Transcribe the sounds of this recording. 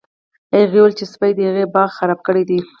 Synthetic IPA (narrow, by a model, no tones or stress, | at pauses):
ajɣewəlt͡ʃespajd̪əhaɣebɑɣxaɾɑb̚kəɽed̪i